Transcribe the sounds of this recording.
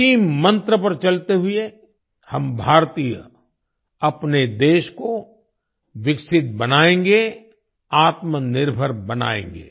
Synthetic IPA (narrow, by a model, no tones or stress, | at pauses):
iːmmə̃nt̪ɾəpɐɾt͡ʃɐlt̪eɦʊe | hɐmbʱaːɾt̪iːjə̰ | ɐpned̪eːʃko | ʋɪksɪt̪̚bɐnaːẽːŋɡe | aːt̪mənɪɾbʱəɾbɐna̰ːḛ̃ːŋɡḛː